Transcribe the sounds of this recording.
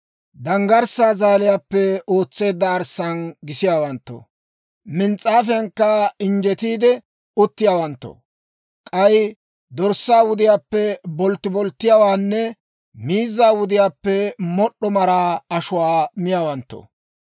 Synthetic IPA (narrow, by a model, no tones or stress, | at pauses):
d̪ɐŋɡɐɾsaːzaːlɪjaːpːɛoːt͡sːe̞ːd̪ːɐːɾsːɐnɡɪsɪjaːwɐnt̪ːo̰ | mɪnt͡sʼːaːfɛjɐŋkːɐɪnd͡ʒɛt̪iːd̪ɛ | ʊt̪ːɪjaːwɐnt̪ːo̰ | kʼɐj | d̪ɔɾsːaːwʊd̪ɪjaːpːɛbɔlt̪ːɪbɔlt̪ːɪjaːwaːnːɛ | miːzːaːwʊd̪ɪjaːpːɛmɔɗːɔmɐɾaːɐʃʊwaːmɪjaːwɐnt̪ːo̰